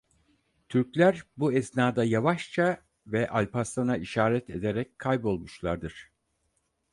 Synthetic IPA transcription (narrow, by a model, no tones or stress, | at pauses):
t̪ʰyɾclʲæɾbuɛsnaːd̪ajavaʃt͡ʃʰa | vɛʔalʲpast̪anaiʃaːɾɛt̪ʰe̞d̪e̞ɾɛc̚kʰːajbo̞lˠmuʃlˠaɾd̪ɯɾ̥